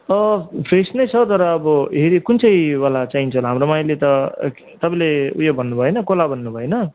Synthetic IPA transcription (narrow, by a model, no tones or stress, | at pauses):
ʌpʰresnʌjt͡sʰʌt̪ʌɾʌːbʌɦeɾikunt͡sʰʌjwalat͡saint͡sʰʌɦlaɦamɾomajlet̪ʌ | t̪ʌpãleṵjobʱʌnːubʱʌenʌkolabʱʌnːubʱʌenʌ